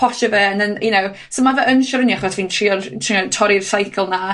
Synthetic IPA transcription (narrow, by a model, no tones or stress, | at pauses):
ɔʃəvɛnənjɪnow | somavɛʔənʃɔɾəniaχɔsviːntʰriɔrtʰriɔtʰɔɾirsajkʰəlˠna